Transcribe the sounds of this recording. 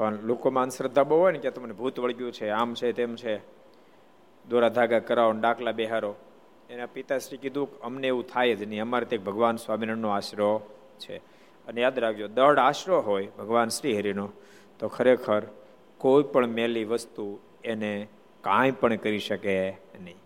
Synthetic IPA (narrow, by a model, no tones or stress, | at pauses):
pəɳlokomãənsɾəd̪ʱːaboɦojnekjat̪omənebʱut̪ʋəɭɡjũt͡ʃʰeamt͡ʃʰet̪emt͡ʃʰe | d̪oɾad̪ʱaɡakəɾaonɖakʰlabɛɦaɾo | enapit̪asɾikid̪ʱũkəmneeʋũt̪ʰajd͡ʒeniəmaɾet̪ek̚bʱəɡʋansʋaminənːoaʃɾo | t͡ʃʰḛ | ənejad̪ɾakʰd͡ʒod̪əɽaʃɾoɦojbʱəɡʋansɾiɦəɾino | t̪okʰəɾekʰəɾ | koipəɳmɛliʋəst̪u | ene | kãjpəɳkəɾiʃəkenəɦĩ